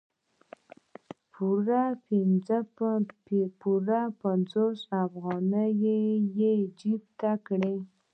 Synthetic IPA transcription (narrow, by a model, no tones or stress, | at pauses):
pʰuɾapɪnd͡zə | puɾapanzosafɣɑnəjejed͡ʒib̚t̪akɽe